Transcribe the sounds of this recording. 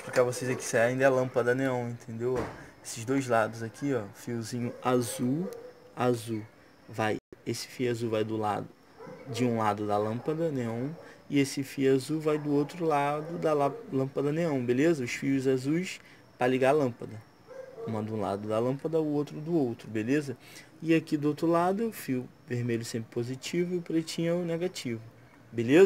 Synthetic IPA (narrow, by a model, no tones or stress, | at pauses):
plkavosezɛkɪ̥saaĩd̪ɐɛlɐ̃pɐd̪ɐneɐ̃w̃ẽnt̪ʰẽnd̪ewɔesɪzd̪ojzlad̪ʊzakʰiɔfiʊzĩɲʊazuazu | vajesɪ̥fijazuvajd̪ʊla̰d̪ʊ | d͡ʒɪũlad̪ʊd̪ɐlɐ̃pɐd̪ɐneɐ̃w̃ɪesɪfijʊazuvajd̪ʊowt̪ɾʊlad̪ʊd̪ɐllɐ̃pɐd̪ɐneɐ̃w̃belezɐʊsfiʊzazujs | pɾɐliɡaɾlɐ̃pɐd̪ɐ | ũmɐd̪ũla̰d̪ʊd̪ɐlɐ̃pɐd̪ɐʊowt̪ɾʊd̪ʊowt̪ɾʊbelezɐ | ɪakid̪ʊowt̪ɾʊlad̪ʊɛʊfijʊ | veɾmeʎʊsẽmpɾɪpozit͡ʃivʊipɾet͡ʃĩɲɛʊneɡat͡ʃivʊ | belezɐ